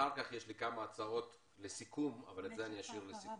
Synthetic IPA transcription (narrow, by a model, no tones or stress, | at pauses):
aʁkaχjeʃlikamaːt͡sao̞t | lesikuma̰valetzeaniaʃiʁlesik